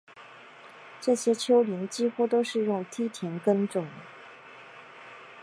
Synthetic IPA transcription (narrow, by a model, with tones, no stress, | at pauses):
ʈ͡ʂɤ˥˩ɕjɛ˥t͡ɕʰjo˥ʊli˧˥nt͡ɕi˥xu˥t̪o˥ʊʂɻ̩˥˧jʊ˥˩ŋt̪ʰi˥t̪ʰjɛ˧˥nkə˥nʈ͡ʂʊ˥˩ŋd̪ə˦